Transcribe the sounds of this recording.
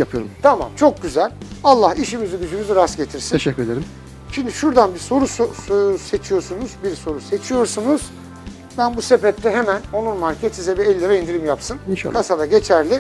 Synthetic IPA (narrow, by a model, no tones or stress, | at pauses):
japʰɯjoɾumt̪ʰama̰mt͡ʃʰo̞k̚ɟyzælʲalˠːahiʃimizyɟyd͡ʒymyziɾasɟe̞t̪ʰiɾsineʃɛkːyɾed̪eɾim | ʃimd̪iʃuɾd̪anbiɾso̞ɾusse̞t͡ʃʰijo̞sunuzbiɾso̞ɾuse̞t͡ʃʰijo̞ɾsunuz̥ | bænbuse̞bɛp̚t̪ʰɛɦemæno̞nˠunmaɾcʰet̪sizɛbiɛlʲːɛvɛind̪iɾimjapsɯniʃa̰kʰasad̪aɟe̞t͡ʃʰæɾlʲɪ